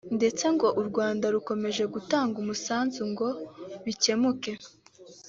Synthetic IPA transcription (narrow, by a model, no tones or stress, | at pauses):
nde̞t͡se̞ŋɡo̞ʔuɾɡwaːndaɾuko̞me̞ʒe̞ɡutaːŋɡumusaːnzuŋɡo̞βice̞muke̞